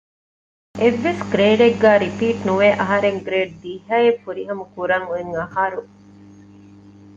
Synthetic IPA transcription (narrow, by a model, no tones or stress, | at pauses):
eʋːesɡɾeːɖeɡːæːɾipiːʈnuʋeːʔɐɦɐɾeŋɡɾeːɖ̚d̪iːɦɐefuɾiɦɐmɐkuɾɐŋueŋɐhaːɾu